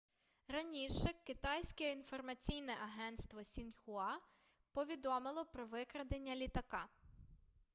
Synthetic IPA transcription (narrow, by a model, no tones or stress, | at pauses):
ɾɐnʲiʃɛkɪt̪ɑjsʲkɛinfɔrmɐt͡sʲijnɛʔɐɦɛnt̪st̪ʋɔsʲinxʊɑ | pɔʋʲid̪ɔmɪlˠɔpɾɔʋɪkɾɐd̪enʲːɐlʲit̪ɐkɑ